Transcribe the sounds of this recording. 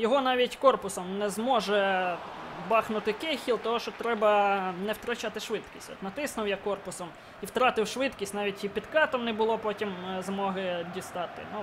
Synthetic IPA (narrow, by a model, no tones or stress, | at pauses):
jɔɦɔnɑʋʲitʲkɔrpʊsɔmnɛzmɔʒɛ | bɑxnʊt̪ɪkɪxʲilˠt̪ɔɦɔʃt͡ʃɔt̪ɾɛbɐnɛwt̪ɾɐt͡ʃɑt̪ɪʃʋɪt̪kʲisʲtʲɔ̰t̪nɐt̪ɪsnʊwjakɔrpʊsɔm | iwt̪ɾɑt̪ɪwʃʋɪt̪kʲisʲtʲnɑʋʲitʲipʲid̪kɑt̪ɔmnɛbʊlˠɔpɔtʲimzmɔɦɪdʲist̪ɑt̪ɪ̰nu